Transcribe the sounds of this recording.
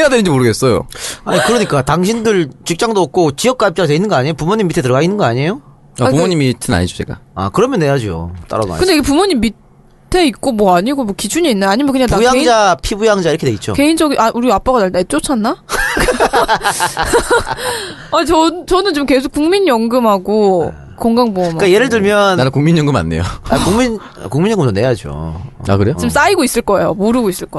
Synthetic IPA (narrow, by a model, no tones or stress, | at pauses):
ejadwenɯnɲd͡ʑimoɾɯɡe̞s͈ʌjo̰aɲikɯɾʌɲik͈ataŋɕʰindɯɭt͡ɕik̚t͡ɕ͈aŋdoʌk̚k͈ot͡ɕijʌk̚k͈aip̚t͡ɕaatweinːɯnŋɡʌaɲejopumoɲimːitʰe̞tɯɾʌɡainːɯnŋɡʌaɲejo | apumoɲimitʰɯna̰ɲid͡ʑod͡ʑek͈a̰a̰kɯɾʌmjʌnːe̞jad͡ʑio̰t͈a̰ɾʌ̰do̰a̰kɯndejiɡepumoɲimːi | tʰe̞ik̚k͈omwʌaɲiɡomwʌkid͡ʑuɲiːnːɯaɲimeʌnkɯɲaŋpaujaŋd͡ʑapʰibujaŋd͡ʑaiɾkʰeneit̚t͡ɕ͈o̰ke̞ind͡ʑʌɡiʔaʔuɾiap͈aɡanaɭtet͡ɕ͈ot͡ɕʰanːak | at͡ɕʌt͡ɕʌnɯnt͡ɕomke̞sʰokuŋmiɲjʌŋɡɯmɦaɡo | koŋɡaŋboʌmkaje̞ɾɯɭdɯɭmjʌnnanɯnkuŋmiɲjʌŋɡɯma̰nːe̞̰jo̰a̰kuŋmin | a̰kuŋmiɲjʌŋɡɯmtʰone̞jad͡ʑio̰a̰kɯɾe̞jot͡ɕims͈aiɡois͈ɯɭk͈ʌe̞̰jo̰moɾɯɡois͈ɯɭk͈